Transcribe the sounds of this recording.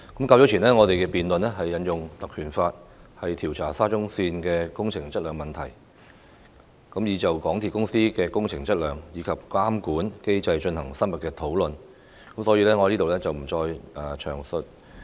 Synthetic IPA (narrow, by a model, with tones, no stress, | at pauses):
kɐ˨˥mkaː˧wt͡ʃɔː˨˥t͡ʃʰiː˨˩nɛː˥ŋɔː˨˧t̪e˨jkɛ˧piː˨nlɵ˨nɛ˥ɦɐ˨jːɐ˨˧njʊ˨ŋt̪ɐ˨kʰːyː˨˩nfaː˧t̚hɐ˨jt̪ʰiː˨˩wt͡sʰaː˨˩saː˥t͡ʃʊ˥ŋsiː˧nkɛː˧kʊ˥ŋt͡sʰɪ˨˩ŋt͡sɐ˥t̚lœː˨˧ŋmɐ˨˩nt̪ʰɐ˨˩j | kɐ˨˥mjiː˨˧t͡sɐ˨wkɔː˨˥ŋt̪ʰiː˨t̚kʊ˥ŋsiː˥kɛː˧kʊ˥ŋt͡sʰɪ˨˩ŋt͡sɐ˥t̚lœː˨ŋjiː˨˧kʰɐ˨p̚kaː˥mkuː˨˥nke˥jt͡sɐ˧jt͡ʃɵ˧nhɐ˨˩ŋsɐ˥nmɐ˨t̚kɛː˧t̪ʰo˨˥wlɵ˨n | kɐ˨˥msɔː˨˥jiː˧lɛː˥ŋɔː˨˧liː˥t̪o˨wlɛː˥t͡sɐ˨wm̩˨˩t͡ʃɔː˧jʔɐː˨t͡ʃʰœ̰ː˨˩ŋsɵ˨t̚